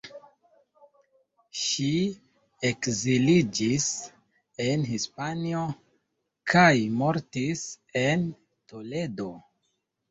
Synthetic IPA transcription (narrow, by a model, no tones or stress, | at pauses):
ʃi | ekzilid͡ʒis | enhispanio̞ | kʰajmo̞ɾtis | e̞n | to̞le̞do̞